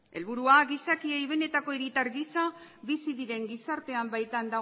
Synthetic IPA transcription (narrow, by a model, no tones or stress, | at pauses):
e̞lβ̞uɾuaɣisakiejβ̞e̞ne̞t̪ako̞eɾit̪aɾɣisabisiðiðe̞ŋɡisaɾt̪e̞ambajt̪and̪a